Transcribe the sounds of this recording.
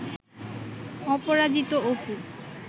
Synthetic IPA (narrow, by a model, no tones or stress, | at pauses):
ɔpoɾad͡ʑit̪oopu